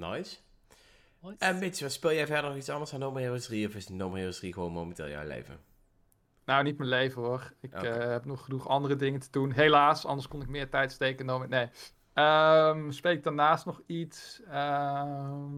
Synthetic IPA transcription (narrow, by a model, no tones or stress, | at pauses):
nɔ̰js | ɛnmɪtsʋɛspɪlˠjɛjvɛɹdəɹnɔχitsɑndəɹsanowməreəsriɔfɪsnomərewəsriχəʋonmo̰wməntɪ̰ːlˠja̰wlḛjvə̰ | nownitmənlejvəɦʊɹɪkɦɛpnɔχːənuχɑndərədɪŋəntədunɦejlaːsɑ̰ndəɹskɔnɪk̚mɪːɹtɛjtstejkənomənej | əmspejɪk̚daɹnaːstnɔχitsə